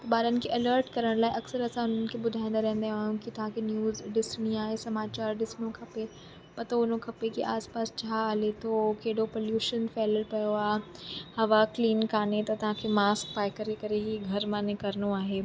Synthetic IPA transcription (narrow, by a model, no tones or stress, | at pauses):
t̪ɐɓaːɾənɪ̆kʰeʔɐləɾʈkɐɾəɽ̃laːɪeʔɐksəɾɐsãʊn̤ənɪ̆kʰebʊd̪ʱaːɪ̃nd̪aɾɛɦə̃nd̪aɦaːɦjũkit̪ɐʋ̤ãkʰenjuːzɖɪsɽ̃iaːɦesɐmaːt͡ɕaːɾɗɪsnokʰɐpe | pɐt̪oʊnokʰɐpekiʔaːspaːst͡ɕʰaːlet̪ʰokeːɽopoljuːʃənfɛːləlpɐjoaːɦhɐʋakliːnkaːnet̪ɐt̪ɐʋ̤ãkʰemaːsk̚paːɪkɐɾekɐɾeɦiɡʱɐɾmãːnekɐɾnoaːɦeː